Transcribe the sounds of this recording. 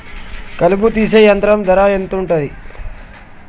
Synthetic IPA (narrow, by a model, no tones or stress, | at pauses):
kɐluput̪iːsejɐnt̪ɾɐmd̪ɐɾaent̪uɳʈɐd̪i